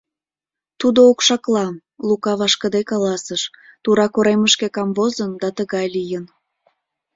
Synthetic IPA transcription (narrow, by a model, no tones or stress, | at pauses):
t̪ud̪ookʃɑklɑm | lukɑβɑʃkəd̪ekɑlɑsəʃt̪uɾɑkoɾeməʃkekɑmvozənd̪ɑt̪əɣɑjlijən